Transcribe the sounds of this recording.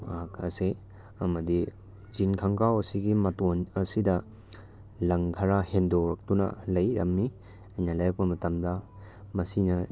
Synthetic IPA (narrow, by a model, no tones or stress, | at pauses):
aakʰɐ̰se | ɐmɐdi | d͡ʒinkʰɐŋkawɐsiɡimɐtonɐsidɐ | lɐŋkʰɐɾahendoɾɐk̚tunɐ̰lɐjɾɐmmi | ɐjnɐlɐjɾɐk̚pɐmɐtɐmdɐ | mɐsinɐ